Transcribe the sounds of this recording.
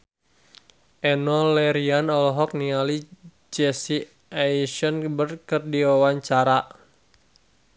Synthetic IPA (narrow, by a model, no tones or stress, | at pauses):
ʔɛnɔlɛɾianɔlɔɦɔk̚niali | d͡ʒɛsi | aiʃɔnbərkərdiwawaɲt͡ʃaɾa